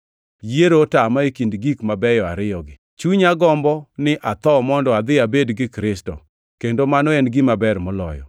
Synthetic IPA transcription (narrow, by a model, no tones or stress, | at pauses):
jeɾotamaekindɡikmabɛjɔa̰ɾɪjɔɡɪ | t͡ʃuɲaɡɔmbɔnɪʔat̪ɔmɔndɔad̪ɪabedɡɪkɾɪstɔ̰ | kendomanɔɛnɡimabɛrmɔlɔ̰jɔ̰